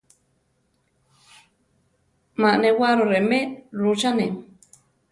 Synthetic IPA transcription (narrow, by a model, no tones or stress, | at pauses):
maʔnewaɾoɾemeɾut͡ʃanem